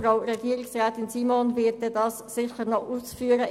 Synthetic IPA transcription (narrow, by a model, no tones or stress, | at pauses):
ʁaʊrɛɡiːʁɪksʁɛːtɪnsiːmonvɪt̚dɛdɑssɪçənɔʔuːsfyːəɾə